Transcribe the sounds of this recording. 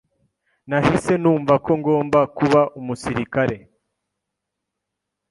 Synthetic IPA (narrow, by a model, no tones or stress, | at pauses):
nahise̞nuːɱvako̞ŋɡo̞ːmbakuβaʔumusiɾikaɾe̞